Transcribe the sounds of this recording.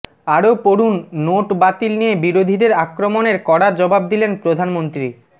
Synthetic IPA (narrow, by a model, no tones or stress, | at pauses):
aɾopoɾunːoʈbat̪ilnijebiɾod̪ʱid̪eɾakɾomoneɾkɔɽaɾd͡ʑɔbab̚d̪ilenpɾod̪ʱanmont̪ɾi